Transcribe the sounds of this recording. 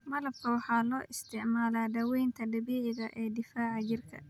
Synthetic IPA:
mɐlɐb̚kʰɐwɑħɑːlɔːʔɪst̪ʰɪʕmaːlaːdɐwɛjnt̪ʰɐɖɐbiːʕɪɣɐʔɛːd̪ɪfaːʕɑd͡ʒɪrkʰɐ̰

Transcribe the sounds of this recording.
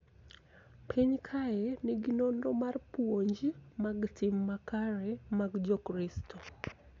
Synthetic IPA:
pʰeɲkʰajeniɡinondɔmarpuoɲd͡ʒimaɡtʰimːakaɾɛmaɡd͡ʒɔkɾistʰɔ

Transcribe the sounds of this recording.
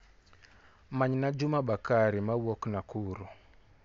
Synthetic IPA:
maɲnad͡ʒumaɓakaɾimawɔknakʰuɾɔ

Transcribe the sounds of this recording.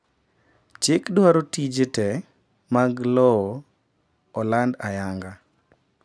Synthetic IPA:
t͡ʃɪkdwaɾotid͡ʒetɛ | maɡlɔ | ɔlandajaŋɡa

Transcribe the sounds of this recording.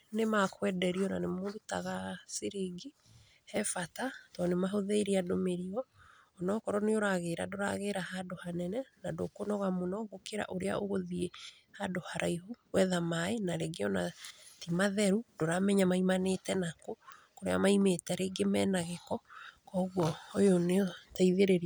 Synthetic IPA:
nemakwɛdɛɾiɔnanemoɾutaɣasiɾiɡi | hɛfatatɔnemaɦoðeiɾiadomeɾiɔː | nɔkɔɾɔneoɾaɣeɾa̰doɾa̰ɣeɾaɦadohanɛnɛnadokonɔɣamonɔɡokeɾa̰ʔoɾea̰oɣoðie | hadohaɾaihuɣwɛðamaenaɾeɡeɔnatimaðɛɾudoɾamɛɲamaimanetɛnakokoɾḛa̰maimetɛɾeɡemɛnaɣekɔkɔɣwɔːjoneɔtaiðeɾeɾi

